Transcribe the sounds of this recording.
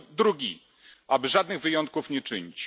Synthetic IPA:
d̪ɾuɡʲi | ʔabɘʐad̪nɘɣvɘjɔnt̪̚kufɲɛt͡ʂɘɲit͡ɕ

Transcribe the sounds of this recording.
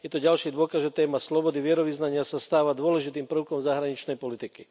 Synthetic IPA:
jɛt̪ɔɟalʃiːd̪ʊɔkazʒɛt̪ɛːmaslɔbɔd̪iʋɪɛɾɔʋiznaɲɪasast̪aːʋad̪ʊɔlɛʒit̪iːmpr̩ʊkɔmzaɦɾaɲit͡ʃnɛjpɔlit̪iki

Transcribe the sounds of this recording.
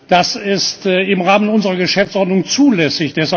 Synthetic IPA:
d̥asɪstːɪmʁaːmənʊnzəʁɐɡəʃɛft͡sʔɔɐdnʊŋt͡suːlɛsɪçd̥ɛsha

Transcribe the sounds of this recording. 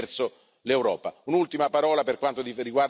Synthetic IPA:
rt̪so | lewɾɔːpaunult̪imapaɾɔːlaperkwant̪od̪iriɡwar

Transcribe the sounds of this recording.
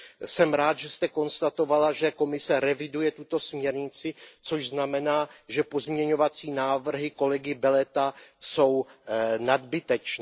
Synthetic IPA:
sɛmɾaːt̪ʒɛst̪ɛko̞nst̪at̪o̞valaʒɛko̞mɪsɛɾɛvɪdujɛt̪ut̪o̞smɲɛɾɲɪt͡sɪt͡so̞ʒznamɛnaːʒɛpo̞zmɲɛɲo̞vat͡siːnaːvr̩ɦɪko̞lɛɡɪbɛlɛt̪aso̞wnad̪bɪt̪ɛt͡ʃ

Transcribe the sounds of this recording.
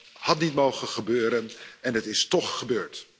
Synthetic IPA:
hɑtnitmowχənχəbøːɾənɛnətɪstɔχːəbøːɹt

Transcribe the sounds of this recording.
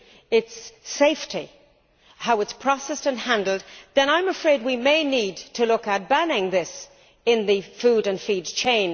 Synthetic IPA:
ɪtseɪftʰi | haʊɨtspʰɹ̥ɑsɛstɨ̃nhæ̃ndˡl̩ˠd̪̚ðɨ̃ñãɪ̃məfɹeɪd̚wimeɪnid̚tʰɨlʊkət̚b̥ænɪ̃ŋðɪs | ɪ̃nðɨfuɾɨ̃nfidt͡ʃʰẽɪ̃n

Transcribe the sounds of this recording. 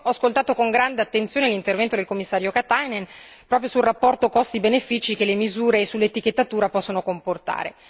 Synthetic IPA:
ɔaskolt̪aːt̪okoŋɡɾand̪eat̪ːent̪sjoːnelint̪ervɛnt̪od̪elkomːisːaːɾjokat̪ajnen | pɾɔːpɾjosulrapːɔrt̪okɔst̪ibenefit͡ʃik̟elemizuːɾesulːet̪ik̟et̪ːat̪uːɾapɔsːonokomport̪a̰ːɾḛ

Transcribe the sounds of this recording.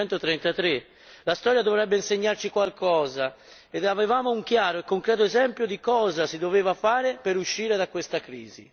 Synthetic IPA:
ɛnt̪ot̪ɾɛnt̪at̪ɾe | last̪ɔːɾjad̪ovɾɛbːeinseɲːart͡ʃikwalkʰɔːza | ed̪avevaːmouŋkjaːɾoekːoŋkɾɛːt̪̬oezɛmpjod̪ikɔːzasid̪oveːvafaːɾepeɾuʃːiːɾed̪akwest̪akɾḭːzḭ

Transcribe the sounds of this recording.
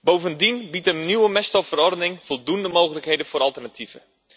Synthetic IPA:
bowvəndinbitənywəmɛstɔfərɔrdənɪŋfɔlˠdundəmowɣələkhejdəfoːɾɑlˠtərnatʰivə̰

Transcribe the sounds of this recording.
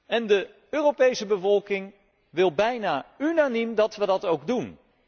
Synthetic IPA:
ɛndə | øːropejsəbəvɔlˠkɪŋ | ʋɪlˠbɛjnaːynanimdɑtʋədɑtowɡdun

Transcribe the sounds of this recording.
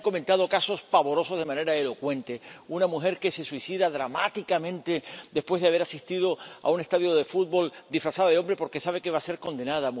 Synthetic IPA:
ŋko̞ment̪að̞o̞kaso̞spaβo̞ɾo̞so̞zðe̞mãne̞ɾaelo̞kwe̞nt̪e̞unamuxe̞ɾke̞se̞swisiðaðɾamat̪ikamẽ̞nt̪e̞d̪espwe̞zðeaβ̞e̞ɾasist̪ið̞o̞a̰une̞st̪aðjo̞ðe̞fut̪̚bo̞ld̪ifɾasaðaðeo̞mbɾepo̞ɾke̞saβ̞e̞ke̞βase̞ɾko̞nd̪e̞naðamu

